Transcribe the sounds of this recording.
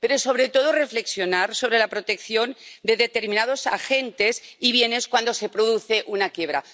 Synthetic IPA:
pe̞ɾoso̞βɾe̞t̪o̞ð̞orefle̞ksjo̞naɾso̞βɾe̞lapɾo̞t̪e̞kθjo̞nd̪eðe̞t̪e̞ɾminað̞o̞sa̰xe̞nt̪e̞siβje̞ne̞skwand̪o̞se̞pɾoðuθe̞ʔunakje̞βɾa̰

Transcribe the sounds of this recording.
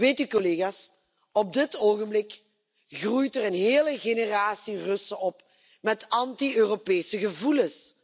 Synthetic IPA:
eːtykoleːɣaːs | ɔb̚dɪtoːɣəmblɪk | ɣrujtɛrənɦeːləɣenəraːsirɵsəɔp | mɛtɑntiøːropɛːsəɣəvuləs

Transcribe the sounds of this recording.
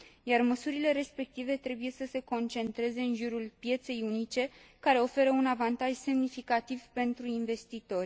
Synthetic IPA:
jarməsuɾile̞ɾe̞spe̞k̚t̪ive̞t̪ɾe̞buje̞səse̞ko̞nt͡ʃe̞nt̪ɾe̞ze̞ɨnʒuɾulpje̞t̪se̞junit͡ʃe̞kaɾe̞o̞fe̞ɾəunavant̪aʒse̞mnifikat̪ivpe̞nt̪ɾuinve̞st̪it̪o̞rʲ

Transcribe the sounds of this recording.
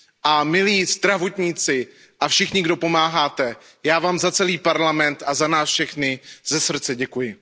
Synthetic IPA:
ʔamɪliːzd̪ɾavot̪ɲiːt͡sɪ | ʔafʃɪxɲɪɡdo̞po̞maːɦaːt̪ɛ | jaːvaːmzat͡sɛliːpaɾlamɛnt̪azanaːsfʃɛxnɪz̥ɛsr̩t͡sɛɟɛkujɪ

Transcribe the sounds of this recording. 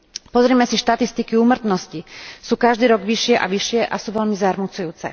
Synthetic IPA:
pɔzɾiːmɛsiʃt̪at̪ist̪ikiuːmrt̪nɔscisuːkaʒd̪iːɾɔɡʋiʃɪɛʔa̰ʋiʃɪɛʔasuːʋɛlmizaɾmut͡sujuːt͡sɛ̰

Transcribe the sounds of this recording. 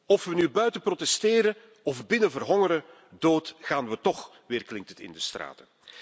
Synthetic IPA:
ɔfʋənybœɥtəprotɛstɪːɾə | ɔfbɪnəvərɦɔŋəɾə | doːtɣaːnʋətɔx | ʋɪːrklɪŋk̚tətɪ̰ndəstra̰ːtə

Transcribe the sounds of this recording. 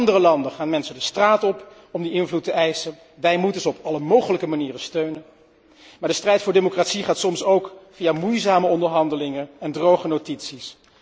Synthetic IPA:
ndərəlɑndəχaːnmɛnsədəstraːtɔp | ɔmdəʔɪnvlutəʔɛjsən | ʋɛjmutənzəɔpɑləmowχələkəmaniːrəstøɥnən | maːɹdəstrɛjtfʊːɹdemokraːtsiχaːtsɔmsowkfijamujzaːməɔndəɹɦɑndəlɪŋənɛndrowχənotitsis

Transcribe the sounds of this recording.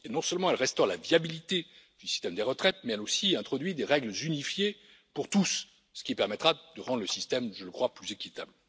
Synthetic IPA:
enɔ̃sœlmɑ̃ɛlʁɛst̪ɔʁlavjabilit̪ed̪̥ysi̥st̪ɛmd̪eʁət̪χɛt̪̚mɛɛlosiɛ̃t̪χɔd̪ɥid̪eʁɛɡlzynifje | puʁt̪usː | ə̥kʲipɛʁmɛt̪χad̪əʁɑ̃d̪ʁləsist̪ɛmʒələkχwaplyzekʲit̪a̰bl

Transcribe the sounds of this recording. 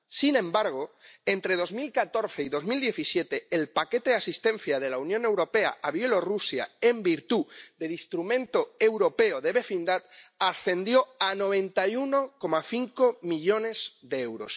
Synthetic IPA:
sinẽ̞mbaɾɣ̞o̞e̞nt̪ɾe̞ð̞o̞zmilkat̪o̞ɾθe̞iðo̞zmild̪je̞θisje̞t̪e̞ːlpake̞t̪eðasist̪ẽ̞n̟θjað̞elaunjõne̞wɾo̞pe̞a̰aβje̞lo̞rusja̰e̞mbiɾt̪uðe̞list̪ɾumẽnt̪o̞e̞wɾo̞pe̞oðe̞βe̞find̪at̪asθe̞nd̪jo̞ano̞β̞ẽ̞nt̪ajunoko̞maθiŋko̞miʎo̞ne̞z̥ðee̞wɾo̞̰s

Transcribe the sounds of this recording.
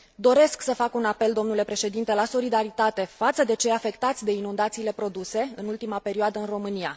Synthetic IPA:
d̪o̞ɾe̞sksəfakunape̞ld̪o̞mnule̞pɾe̞ʃe̞d̪int̪e̞laso̞lid̪aɾit̪at̪e̞fat̪səd̪e̞t͡ʃe̞afe̞kt̪at̪sʲd̪e̞inund̪at̪siːle̞pɾo̞d̪use̞ɨnult̪imape̞ɾioad̪əɨnro̞mɨnia̰

